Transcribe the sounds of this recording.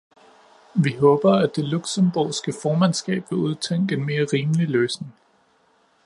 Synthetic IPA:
ʋiɦɔ̽ːb̥ɐæd̥e̝luɡ̥səmb̥oːsɡ̥əfɒːmænsɡ̥ɛ̰ːb̥ʋe̝uð̞ˠt͡sʰeŋ̰ɡ̥enme̝ːɐʁiːməliløːsneŋ

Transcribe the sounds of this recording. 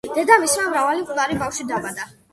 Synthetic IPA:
d̪̥ɛd̪amismamɾavalikʼulˠaɾibafʃid̪abad̪a

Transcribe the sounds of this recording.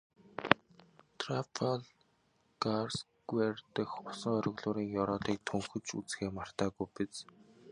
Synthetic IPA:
t̪ʰrapʰaɮ | ɡars | ɡwert̪ə̆xʊsə̆ŋœɾʲɪ̆ɣɮʊːɾiːŋjɔɾɔːɮiːk̚t̪ʰɵŋxɵ̆t͡ɕut͡sxeːmar̥t̪aːɣujpet͡s

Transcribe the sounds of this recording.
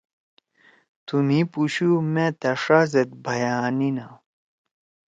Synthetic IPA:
t̪umĩpuɕumẽt̪ɐʂazet̪̚bʱɐjaːnina

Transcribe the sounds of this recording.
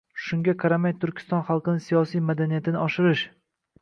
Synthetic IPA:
ʃʊŋɡʲaqʰɑɾamajt̪ʰʊɾkʲʰɪ̥st̪ɒnχɑlˠqɨnɪsijɒsijmad̪anijat̪ʰɪnɪɒʃɪɾɪʃ

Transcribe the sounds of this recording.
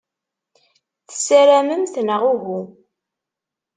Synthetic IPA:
θə̥sːæɾæməmθnəʁuɣu

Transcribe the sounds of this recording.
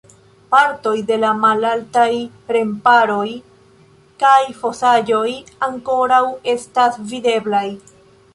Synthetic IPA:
paɾto̞jde̞lamalaltaj | ɾe̞mpaɾo̞j | kajfo̞sad͡ʒo̞jaŋko̞ɾawe̞stasvide̞blaj

